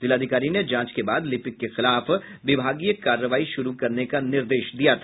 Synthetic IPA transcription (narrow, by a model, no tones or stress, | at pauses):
z̥ɪlaːd̪ʱɪkaːɾined͡ʒãːt͡ʃkebaːd̪lɪpɪkːexɪlaːf | ʋɪbʱaːɡijəkaːɾːəʋaːiʃʊɾukɐɾnekanɪɾd̪eːʃd̪ijat̪ʰa